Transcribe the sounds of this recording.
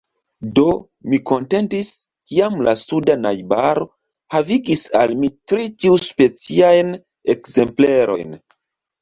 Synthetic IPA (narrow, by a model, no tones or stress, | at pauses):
do̞ | miko̞nte̞ntis | kiamlasudanajbaɾo̞ | haviɡisalmitɾitiuspe̞t͡siajn | ekze̞mple̞ɾo̞̰jn